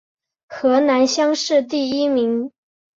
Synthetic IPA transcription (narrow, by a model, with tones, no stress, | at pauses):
xɤ˧˥na˧˥nɕjɑ˥ŋʂɻ̩˥˧t̪i˥˩i˥mi˧˥ŋ